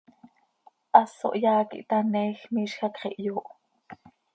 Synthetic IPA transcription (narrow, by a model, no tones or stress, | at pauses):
ʔɑso̰ʔjɑːkḭʔt̪ɑnɛːxmiːʃxɑkχḭʔjoːʔ